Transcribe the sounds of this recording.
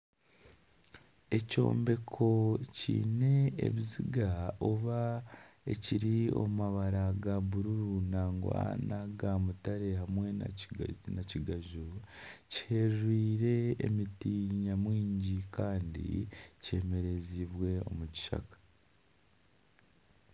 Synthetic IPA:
e̞co̞̰ːmbe̞kʰo̞cḭːne̞ḛβiziɡaoβaeciɾio̞̰mumaβaɾaɡaβuɾuɾunaːŋɡwa̰naɡamutaɾe̞ɦamwe̞̰ | naciɡaʒuci̥he̞ɾwiːɾe̞ːmitiːɲamwiːɲɟikaːndḭce̞me̞ɾe̞ziβwe̞o̞̰muci̥ʃa̰kḁ

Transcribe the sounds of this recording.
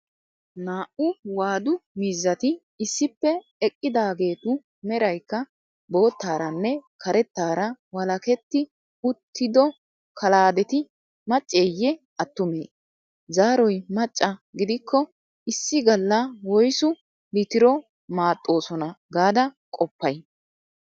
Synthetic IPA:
naːʔʊwaːd̪ʊmiːzːɐt̪ɪː | sːɪpːɛ | ɛkʼːɪd̪aːɡe̞ːt̪ʊ | mɛɾɐjkːɐ | bo̞ːt̪ːaːɾɐnːɛkʰɐɾɛt̪ːaːɾɐwɐlɐkɛt̪ːɪ | ʊt̪ʰːɪd̪ɔ | kʰɐlaːd̪ɛt̪ɪ | mɐt͡ʃʼːeːjːɛ | ɐt̪ːʊmḛː | zaːɾɔjmɐt͡ʃʼːɐɡɪd̪ɪkʰːɔ | ɪsːɪɡɐlːɐwɔjsʊ | lɪt̪ɪɾɔ | maːt̪ʼːo̞ːsɔnɐɡaːd̪ɐ | kʼɔpːɐj

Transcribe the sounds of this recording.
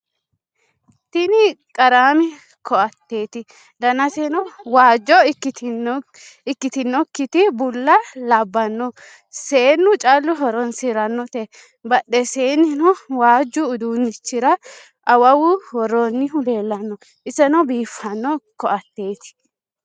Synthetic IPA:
t̪ɪnɪkʼɐɾaːmɪ | kʰɔʔɐt̪ːe̞ːt̪ɪ | d̪ɐnɐsɛnɔwaːd͡ʒːɔɪɪ | ɪkːɪt̪ɪnːɔkːɪt̪ɪbʊlːɐlɐbːɐnːɔ | seːnːʊt͡ʃʼaːlːʊɦɔɾɔnsɪɾɐnːɔt̪ɛ | bɐɗɛseːnːɪnɔwaːd͡ʒːʊːd̪unːɪt͡ʃːɪɾɐ | ʔɐwɐwʊwɔɾonːɪɦʊle̞ːlːɐnːɔ | ʔɪsɛnɔbiːfɐnːɔkɔʔɐt̪ːe̞ːt̪ɪ̥

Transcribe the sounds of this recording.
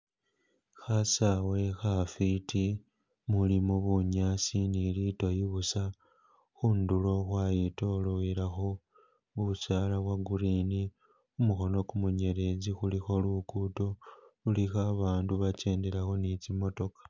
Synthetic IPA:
xasawe̞xafitʰi | mulimoβuɲasinilitojiβusa | xundulo̞xwajitoloiɾaxo̞ | βuβusaːlawaɡuɾini | umuxo̞no̞kumuɲe̞ɾe̞zixulixo̞lukuto̞ulixaβaːnduβace̞ːndeɾaxo̞nit͡simo̞to̞kḁ

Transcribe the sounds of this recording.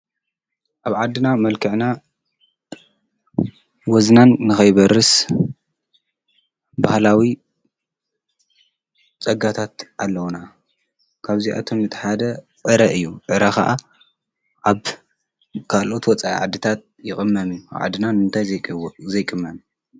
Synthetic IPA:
ʔaβʕad̪ːɨnamɐlkʰɨʕna | wɔznanːɨxɐjβɐɾɨs | bahlawi | t͡sʼɐɡat̪ʰat̪ʔalːɐwna | kʰaβziʔa̰t̪ʰo̞mːɨt̪ʰħad̪ɐ | ʕɨɾɐʔɨjːuʕɨɾɐxa̰ʔa | ʕaβ | kʰalʔo̞t̪wɔt͡sʼaḭʕa̰d̪ɨt̪ʰat̪̚jɪxʼɨmːɐmijːua̰βʕa̰d̪ːɨnanɨnt̪ʰajzɐjkʼɨmːɐm

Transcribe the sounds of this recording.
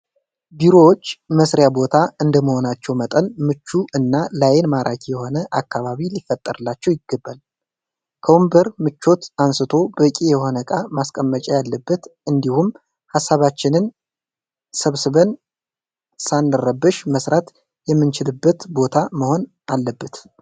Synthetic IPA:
biɾo̞wot͡ʃːməsɾjabo̞t̪ʰaɨnd̪əməho̞nat͡ʃːɛwmət̪ʼənmɨt͡ʃːuʔɨnːalajɛnmaɾʔakʰijɛho̞nəʔakːaβaβilifət̪ʼːə̰ɾɨlːat͡ʃːɛwjɪɡəbːal | kʰəwumbəɾmɨt͡ʃːo̞t̪ansɨt̪ʰo̞bəkʼijɛho̞nəkʼamaskʼəmːət͡ʃʼɛjalːəbːət̪ʔɨnd̪ihum | hasːaβat͡ʃːɪnɨn | səβsɨβən | sanːəɾəbːɨʃməsɾat̪ | jɛmːɨnt͡ʃʰɪlɨbːət̪bo̞t̪ʰaməho̞n | ʔalːəbːət̪

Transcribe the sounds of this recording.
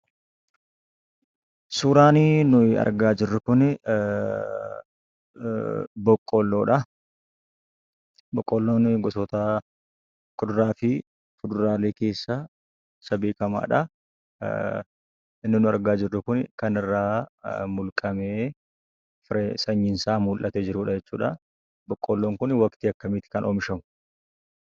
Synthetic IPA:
suːɾaːninʊɪɐ̰ɾɡaːd͡ʒɪrːʊkʊn | bɔkʼːɔlːoːᶑɐ | bɔkʼːɔlːoːnɡɔsoːt̪ɐ | kʼʊd̪ʊɾaːfɪ | fʊd̪ʊɾaːle̞ːke̞ːsːɐ | sɐbeːkɐma̰ːᶑɐ | ɪnːɪnʊɐɾɡaːd͡ʒɪrːʊkʊnkɐnɪrːaːmʊlkʼɐmeː | fɪɾɛsɐɲːɪnsaːmuːlʔɐt̪ɛd͡ʒɪɾuːᶑɐd͡ʒɛt͡ʃːṵːᶑɐ̰ | bɔkʼːɔlːoːŋkʊnwɐkt̪iːɐkːɐmɪt̪ɪ̥kɐnʔoːmʃɐmʊ̥

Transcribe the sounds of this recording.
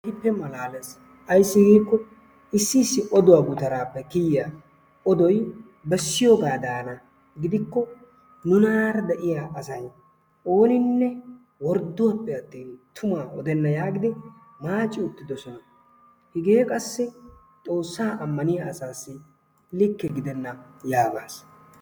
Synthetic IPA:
ɪpːɛmɐlaːlɐs | ʔɐjsːɪɡidːkːɔ | ɪsːɪːsːɪʔɔd̪ʊwaɡʊt̪ɐɾaːpːɛkɪjja | ɔd̪ɔj | bɛsːɪjoɡaːd̪aːnɐ | ɡɪd̪ɪkːɔ | nʊnaːɾɐd̪ɛʔɪjaːʔɐsɐj | o̞ːnɪnːɛ | wɔɾd̪ʊwɐpːɛɐt̪ːiːnt̪ʰʊmaːʔɔd̪ɛnːɐjaːɡɪd̪ɪ | maːt͡ʃʼːɪʊt̪ːɪd̪ɔsɔnɐ | hɪɡeːkʼɐsːɪ | t̪ʼo̞ːsːaːʔɐmːɐnɪjaːsaːsːɪ | lɪkːɛɡɪd̪ɛnːɐjaːɡaːs

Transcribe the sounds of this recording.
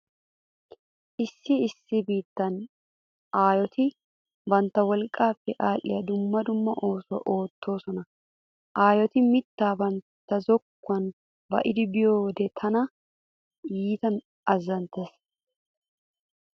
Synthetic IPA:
ʔɪsːɪːsːɪbiːt̪ːɐn | ʔaːjɔt̪ɪ | bɐnt̪ːɐwɔlkʼːaːfːɛʔaːlːɪjɐd̪ʊmːɐd̪ʊmːɐʔo̞ːsʊwɐ̰ʔo̞ːt̪ːo̞ːsɔnɐ | ʔaːjɔt̪ɪmɪt̪ːaːbɐnt̪ːɐzɔkːʊɐn | bɐ̰ʔɪd̪ɪbɪjo̞ːd̪ɛt̪ʰɐnɐ | jiːt̪ɐn | ɐzːɐnt̪eːs

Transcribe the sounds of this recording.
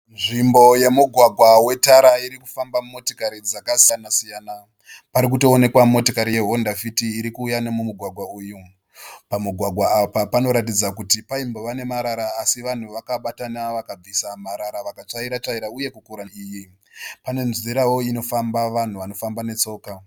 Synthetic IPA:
nʐimbo̞je̞muɡʱwaɡʱwawe̞taɾaiɾiku̥fambamumo̞tokaɾid͡zakasianasijana | paɾik̬uto̞ːne̞kwamo̞tokaɾije̞ɦondafitiːɾikuːjanemumuɡʱwaɡʱwauːju | pamuɡʱwaɡʱwaapapano̞ɾat̬id͡zakutipaimbo̞ʋane̞maɾaɾaːsiʋan̤uʋakaɓatanaʋakab͡visamaɾaɾaʋakat͡ʂaiɾat͡ʂaiɾauje̞kukuɾaiːji | pane̞nziɾawo̞ino̞fambaʋan̤uʋano̞fambane̞t͡so̞ːka

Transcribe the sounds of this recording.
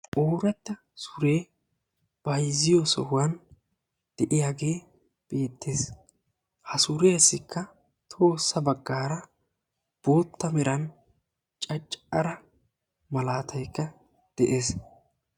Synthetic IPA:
ʔoːɾɐt̪ːɐ | sʊɾe̞ː | b̥ɐjzɪjɔsɔ̰hʊwɐn | d̪̥ɛʔɪjaːɡe̞ː | b̥e̞ːt̪ʰːeːs | hɐsʊɾeɐsːɪkʰːɐ | t̪ʰo̞ːsːɐbɐɡːaːɾɐ | b̥o̞ːt̪ʰːɐmɛɾɐn | t͡ʃʼɐt͡ʃʼɐɾɐ | mɐlaːt̪ʰɐjkːɐ | d̪̥ɛʔe̞ːs

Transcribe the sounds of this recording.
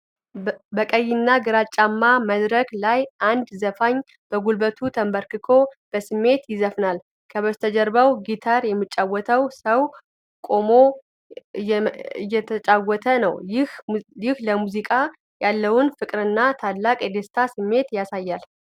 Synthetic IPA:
bəkʼəjːɪnːaɡɨɾat͡ʃʼːamːaməd̪ɾəklajʔand̪zəfaɲː | b̥əɡulbət̪ʰut̪ʰəmbəɾkɨkʰo̞b̥əsɨmːe̞t̪jɪzəfnal | kʰəβəst̪ʰəd͡ʒəɾbəwɡit̪ʰaɾjɛmːɨt͡ʃʼːawːɔt̪ʰəwsəw | kʼo̞mo̞ | ɨjːɛt̪ʰət͡ʃʼawːɔt̪ʰənəwɪhjɪhləmuzikʼa | jalːəwʊnfɨkʼɾɨnːat̪ʰadlːakʼjɛd̪est̪ʰasɨmːe̞t̪jasajːal

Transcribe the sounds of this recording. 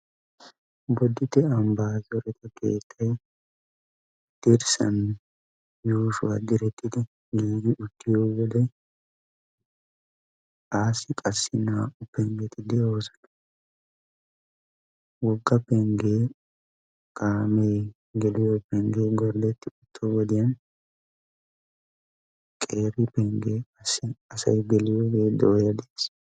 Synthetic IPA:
bɔd̪ːɪt̪ɛɐmbaːzɔɾɛt̪ɐkḛːt̪ʰːɐj | d̪̥ɪɾsɐ̰n | juːʃʊwa̰d̪ɪɾɛt̪ʰːɪd̪ɪ | ɡiːɡɪʔʊt̪ːɪjowɔd̪ɛ | ʔaːsɪkʼɐsːɪnaʊpːɛŋɡɛt̪ːɪd̪ɛjo̞ːsɐ̥nɐ̥ | wɔɡːɐpːɛŋɡeː | kʼaːmeː | ɡɛlɪjopɛŋɡeːɡɔɾd̪ɛt̪ːɪʊt̪ʰːɔwɔd̪ɪjɐn | kʼe̞ːɾɪpɛŋɡeːɐsɪɐsɐ̰jɡɛlɪjoːɡeːd̪ɔjɐd̪eːs

